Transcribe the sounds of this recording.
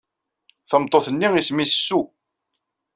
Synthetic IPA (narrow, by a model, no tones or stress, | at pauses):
θəmt̪ˤːoθənːiismisəsːu